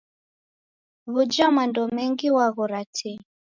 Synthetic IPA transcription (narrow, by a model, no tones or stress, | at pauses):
βud͡ʒamandɔmɛŋɡiwaɣɔɾatʰɛ